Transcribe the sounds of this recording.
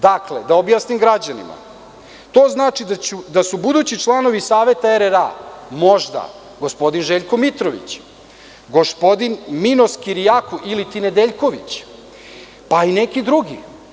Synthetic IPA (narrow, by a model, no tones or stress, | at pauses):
d̪akled̪aobjaːsnimɡɾad͡ʑanḭma̰ | t̪o̞ːznaːt͡ʃid̪aud̪asubud̪uːt͡ɕit͡ʃlˠano̞ʋisaːʋe̞t̪aeɾeɾa̰mo̞ʒd̪a̰ | ɡo̞spo̞d̪inʒe̞ːʎkomit̪ɾoʋḭt͡ɕ | ɡo̞spo̞d̪inmino̞skiɾijakoʔilit̪ine̞d̪eʎko̞ʋit͡ɕ | paine̞kid̪ɾuɡi